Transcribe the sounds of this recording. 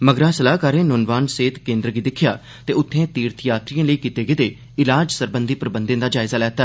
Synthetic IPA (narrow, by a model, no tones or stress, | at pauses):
məɡɾaːsəlaːkaːɾẽːnʊnʋaːnseːt̪kẽːnd̪ɾəɡiːd̪ɪkʰːjaː | t̪eːʊt̪ʰːẽːt̪iːɾt̪ʰjaːt̪ɾijãːləiːkiːt̪eːɡeːd̪eː | ɪlaːd͡ʒsəɾbənd̪iːpɾəbənd̪ẽnd̪aːd͡ʒaːɪzaːlɛːt̪aː